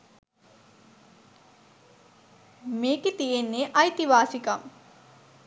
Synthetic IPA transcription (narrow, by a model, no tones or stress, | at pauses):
meːkit̪ijenːeʔɐjt̪iʋaːsikam